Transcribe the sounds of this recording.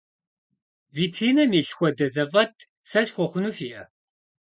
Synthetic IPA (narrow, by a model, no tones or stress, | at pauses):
vitʰinɐmiɬxʷɐd̪ɐzɐvɐt̪ʰ | sɐʃxʷɔχʷʊnufiɐ